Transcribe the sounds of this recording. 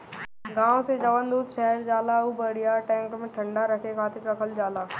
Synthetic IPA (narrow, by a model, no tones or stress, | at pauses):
ɡãːõsed͡ʒɐʋənd̪uːd̪ʃɛɦəɾd͡ʒaːlaubəɽijaʈɛ̃ːŋkmẽʈʰə̃ɳɖaɾəkʰekʰaːt̪ɪkɾəkʰəld͡ʒaːlaː